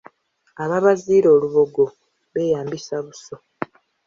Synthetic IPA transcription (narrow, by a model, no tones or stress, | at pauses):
aβaβaziːɾo̞ːluβo̞ɡo̞ | βe̞jaːmbisaβuso